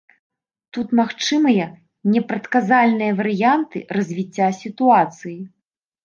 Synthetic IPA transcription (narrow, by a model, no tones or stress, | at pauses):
t̪ut̪maxt͡ʂɨmɨjɐ | nʲɛpɾɐt̪kazalʲnɨjɐvɐɾɨjant̪ɨ̰rɐzʲvʲit͡sʲːasʲit̪uat̪sɨji